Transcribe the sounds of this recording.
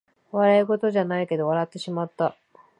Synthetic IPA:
βaɾaiɡo̞t̪o̞ʑanaike̞d̪o̞β̞aɾat̪ːe̞ɕimat̪ːa

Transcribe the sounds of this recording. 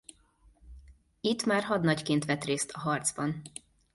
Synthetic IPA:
it̪ːmaːrɦɒd̪nɒɟkeːnt̪ʋɛt̪reːst̪ʰɒɦɒrd̪zbɒn

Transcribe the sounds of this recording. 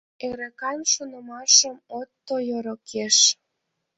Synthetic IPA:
eɾekɑnʃunə̆mɑʃəmot̪ːojoɾokʰeʃ

